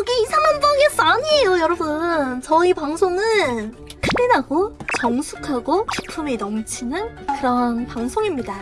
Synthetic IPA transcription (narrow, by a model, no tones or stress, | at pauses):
kʌɡiːsʰamanbʌɡes͈aɲiejojʌɾʌbɯnt͡ɕʌipaŋsʰoŋɯɭ | kʰɯɾinaɡot͡ɕʌŋsʰukʰaɡoki̥pʰɯmenʌmt͡ɕʰinɯn | kɯɾʌnpaŋsʰoŋimɲida